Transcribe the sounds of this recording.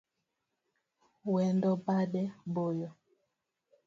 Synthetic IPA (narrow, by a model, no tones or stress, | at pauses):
wɛndɔbaɗɛbojɔ